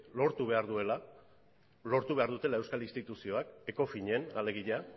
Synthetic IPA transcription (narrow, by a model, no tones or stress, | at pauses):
lo̞ɾt̪uβe̞aɾðue̞la | lo̞ɾt̪uβe̞aɾðut̪e̞lae̞wskalinst̪it̪usio̞ake̞kofiɲe̞nale̞ɣiʎa